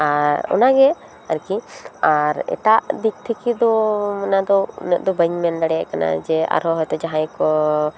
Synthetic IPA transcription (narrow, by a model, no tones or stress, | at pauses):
aɾɔ̰naɡɛ | aɾkĩaɾɛ̰ʈaʔd̪ik̚t̪ʰikid̪ɔmanad̪ɔnɛʔd̪ɔbəɲmɛnɖaɽɛɛʔkana̰d͡ʒɛa̰ɾɔɦɔjt̪ɔd͡ʒaɦãjkɔ